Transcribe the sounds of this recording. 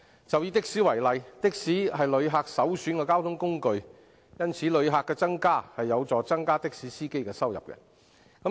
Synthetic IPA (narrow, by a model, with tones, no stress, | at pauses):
t͡sɐ˨wjiː˧t̪ɪ˥k̚siː˨˥wɐ˨˩jlɐ˨jt̪ɪ˥k̚siː˨˥ɦɐ˨jlɵ˨˧ɥɦaː˧k̚sɐ˨˥wsyː˨˥nkɛː˧kaː˥wt̪ʰʊ˨˥ŋkʊ˥ŋkɵ˨ɥ | jɐ˥nt͡sʰiː˨˥lɵ˨˧ɥɦaː˨˧kːɛː˧t͡sɐ˥ŋkaː˥hɐ˨jːɐ˨˧wt͡sɔː˨˩t͡sɐ˥ŋkaː˥t̪ɪ˥k̚siː˨˥siː˥ke˥jkɛː˧sɐ˥wjɐ̰˨p̚kɛ̰˧ | kɐ˨˥